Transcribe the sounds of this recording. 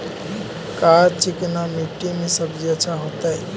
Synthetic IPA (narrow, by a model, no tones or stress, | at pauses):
kat͡ʃiknamiʈːimesəbd͡ʒet͡ʃʰaɦot̪əj